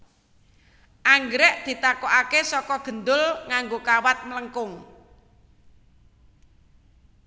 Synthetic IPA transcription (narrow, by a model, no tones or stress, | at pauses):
ʔaŋɡɾɛʔd̪̥i̤t̪akoʔakesɔkɔɡ̥ə̤nd̪ʊlŋaŋɡokawat̪̚mələŋkʊŋ